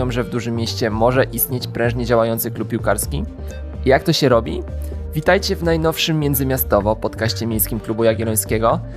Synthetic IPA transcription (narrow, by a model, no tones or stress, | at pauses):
ɔ̃w̃ʐɛvd̪uʐɘmʲːjeɕt͡ɕɛmɔʐɛʔist̪ɲet͡ɕpɾɛ̃w̃ʐɲɛd͡ʑawajɔnt̪sɘklupʲpʲiwkaɾskʲi | ijak̚t̪ɔɕɛɾɔbʲḭvʲit̪ajt͡ɕɛvnajnɔfʂɘmʲːjɛnd̪zɘmʲjast̪ɔvɔpɔt̪kaɕt͡ɕɛmʲjejskʲimklubujaɡʲjɛlɔj̃skʲɛɡɔ